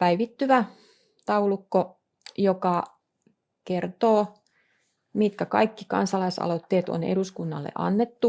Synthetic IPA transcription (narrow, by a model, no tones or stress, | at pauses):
pæiʋit̪ːyʋæ | t̪ɑulukːo | jokɑ | kert̪oː | mit̪kækɑ̰ikːikɑ̰nsɑlɑisɑ̰lot̪ːeːt̪o̰nḛɾuskunːɑ̰lːḛʔɑ̰nːet̪ːu